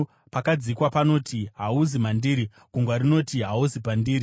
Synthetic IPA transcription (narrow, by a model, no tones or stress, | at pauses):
pakad͡zikwapano̞tʰiɦauzimandiːɾi | ɡ̥ʱuŋɡwaɾino̞tiɦauzipandiːɾi